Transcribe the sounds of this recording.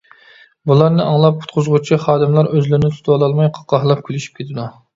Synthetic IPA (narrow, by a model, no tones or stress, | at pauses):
bulˠɑɾnɨʔɑŋlˠɑp̚ʰu̥t̪̚qʰʊzʁʊt͡ʃʰiχɑːd̪ɨmlˠɑɾøzlɪɾɪnɪt̪ʰut̪ʰɑlˠɑlˠmɑjqʰɑ̥qɑhlˠɑp̚kʲʰylyʃy̥p̚kʲʰet̪ʰɪd̪u